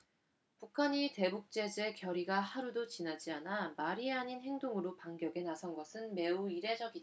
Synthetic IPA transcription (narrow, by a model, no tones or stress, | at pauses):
pukʰaɲite̞buk̚t͡ɕ͈e̞d͡ʑe̞kjʌɾiɡahaɾudot͡ɕinad͡ʑianamaɾieaɲinɦe̞ŋdoŋɯɾopaŋɡjʌɡe̞nasʰʌnɡʌsʰɯnme̞uiɾe̞d͡ʑʌɡida